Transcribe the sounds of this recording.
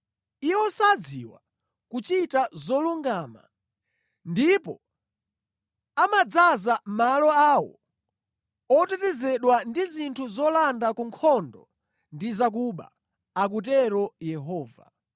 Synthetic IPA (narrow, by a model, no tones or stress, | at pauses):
iwɔsad͡zḭwa̰ | kut͡ʃitazɔluŋɡaːma̰ | ndipɔ̰ | amad͡zazamalɔaːwɔ̰ | ɔtɛtɛzɛɗwandizintʰuzɔlandakuŋkʰɔndɔ | ndizak̬uɓa̰ | ak̬utɛɾɔjɛɦɔːva̰